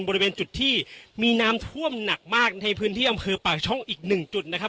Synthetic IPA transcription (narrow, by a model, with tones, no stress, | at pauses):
nbɔː˧ɾi˧weː˧nt͡ɕu˨˩t̪ʰːiː˥˩miː˧naː˦˥mt̪ʰu˥˩əmna˨˩k̚maː˥˩k̚na˧jpʰɯː˦˥nt̪ʰiː˥˩ʔa˧mpʰɤː˧paː˨˩k̚t͡ɕʰɔ˥˩ŋʔiː˨˩k̚nɯ˨˩ŋt͡ɕu˨˩t̪̚na˦˥kʰa˦˥